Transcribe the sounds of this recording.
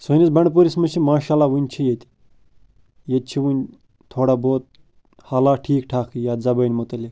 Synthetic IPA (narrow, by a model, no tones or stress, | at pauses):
soːnʲisbɐɳɖp̬uɾismɐt͡ʃʰimaːʃaːlaːʋunʲt͡ʃʰijet̪ʲ | jet̪̚t͡ʃʰiʋunʲ | t̪ʰoːɽaːboːt̪̚ | haːlaːʈʰiːkʈʰaːkʰijaːzɐbɐːnʲmot̪ɐlik